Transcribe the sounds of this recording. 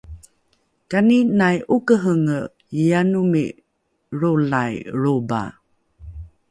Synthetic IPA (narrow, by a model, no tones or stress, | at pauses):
kaninajʔukəɦəŋə | janumḭ | ɾolajɾoba̰